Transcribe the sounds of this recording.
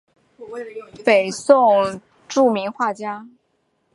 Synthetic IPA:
pe˨˩ɪsʊ˥˧ŋ | ʈ͡ʂu˥˩mi˧˥ŋxwa˥˩t͡ɕja˥

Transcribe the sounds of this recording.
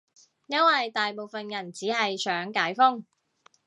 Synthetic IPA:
jɐ˥nwɐ˨jt̪aː˨jpo˨˧wfɐ˨njɐ˨˩nt͡siː˨˥ɦɐ˨jsœː˨˥ŋkaː˨˥jfʊ˥ŋ

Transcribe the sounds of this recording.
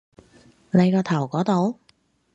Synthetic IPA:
le˨˧jkɔː˧t̪ʰɐ˨˩wkɔː˨˥t̪o˨˧w

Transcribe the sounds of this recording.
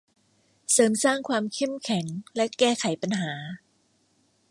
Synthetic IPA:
sɤː˩˦msaː˥˩ŋkʰwaː˧mkʰe˥˩mkʰɛ˨˩˦ŋlɛ˦˥kɛː˥˩kʰa˩˦jpa˧nɦaː˩˦

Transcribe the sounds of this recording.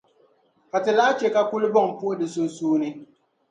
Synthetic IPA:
ka˨tɪ˨la˦t͡ʃe˨ka˦ku˦li˦bɔ˦˨ŋ˨pu˦o˦di˨su˦n̩˦suː˦ni˦

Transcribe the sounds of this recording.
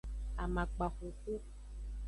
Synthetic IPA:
a˨mã˨k͡pa˨xo˨ku˦

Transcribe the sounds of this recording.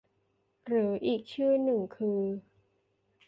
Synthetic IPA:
ɾɯː˩˦ʔiː˨˩k̚t͡ɕʰɯː˥˩nɯ˨˩ŋkʰɯː˧

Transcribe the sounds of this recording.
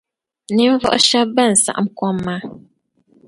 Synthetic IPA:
ni˦m˦vɔ̰˦ʔʃa˦ba˦˨n̩˨sa̰˨ʔa̰˨m˦kɔ˦mːa˦

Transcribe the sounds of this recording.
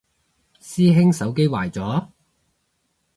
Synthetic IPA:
siː˥ɦɪ˥ŋsɐ˨˥wke˥jwaː˨˩jt͡sɔː˨˥

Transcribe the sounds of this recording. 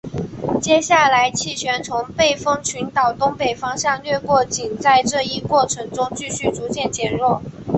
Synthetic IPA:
t͡ɕjɛ˥ɕja˥˩la˧˥ɪt͡ɕʰi˥˩ɕɥɛ˧˥nt͡sʰʊ˧˥ŋpe˥˩ɪfɤ˥ŋt͡ɕʰy˧˥nt̪ɑ˨˩ʊt̪ʊ˥ŋpe˨˩ɪfɑ˥ŋɕjɑ˥˧ŋlɥɛ˥˧kwɔ˥˩t͡ɕi˨˩nt͡sa˥˧ɪʈ͡ʂɤ˥˧i˥˧kwɔ˥˩ʈ͡ʂʰɤ˧˥ŋʈ͡ʂʊ˥ŋt͡ɕy˥˧ɕy˥˩t͡su˧˥t͡ɕjɛ˥˩nt͡ɕjɛ˧˥nɻwɔ˥˩

